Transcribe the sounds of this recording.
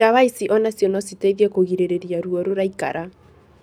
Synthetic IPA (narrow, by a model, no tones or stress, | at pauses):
aβaisiʔɔnasjɔnɔsiteðɛkoɣiɾeɾeɾiaɾuɔɾoɾaika̰ɾa